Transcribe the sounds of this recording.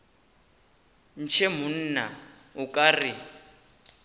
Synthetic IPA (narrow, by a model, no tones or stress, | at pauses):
n̩t͡ʃʰemʊn̩na | ʊkʼarɪ